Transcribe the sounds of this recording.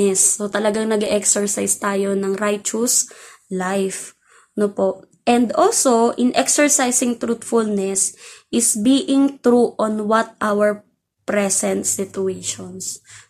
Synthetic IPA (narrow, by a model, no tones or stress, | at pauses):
ɛsːot̪ɐlɐɡaŋnɐɡɛʔɛksɛɹsajst̪aːjo̞nɐŋɾajt͡ʃʊslajf | nopoʔ | ʔɛnd̪olsoʔɪnʔɛksɛɹsajsɪŋt̪ɾut̪fʊlnɛsʔɪsbiːʔɪŋt̪ɾuʔonwɐt̪̚ʔawɛɹ | pɾɛsɛ̃nt̪sɪt̪ʊejʃons